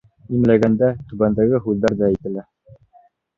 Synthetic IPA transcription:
imlæɡænd̪æt̪ʉbænd̪æɡɘɦʉðːæɾd̪ææjt̪ɘ̆læ

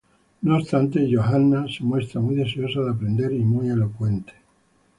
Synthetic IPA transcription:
noːst̪ant̪e̞ʝo̞xanːase̞mwe̞st̪ɾamuijðe̞s̬eo̞saðeapɾẽ̞nd̪e̞ɾimuje̞lo̞kwe̞nt̪e̥

